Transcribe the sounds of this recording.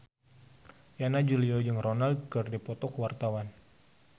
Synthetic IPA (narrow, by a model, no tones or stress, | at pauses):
janad͡ʒuliɔd͡ʒɨŋronald̚kɨrdipɔt̪ɔkəwart̪awan